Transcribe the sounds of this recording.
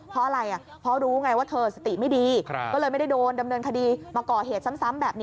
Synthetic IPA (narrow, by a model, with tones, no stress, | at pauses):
pʰɾɔ˦˥ʔa˧ɾa˧jʔa˨˩ | pʰɾɔ˦˥ɾuː˦ŋa˧jwaː˥˩t̪ʰɤː˧sa˧t̪i˨˩ma˥˩jdiː˧kɔ˥˩lɤː˧jma˥˩jda˥˩jdoː˧nda˧mnɤː˧nkʰa˧diː˧maː˧kɔː˨˩ɦeː˨˩t̪̚sa˦˥msa˦˥mbɛː˨˩p̚niː˦˥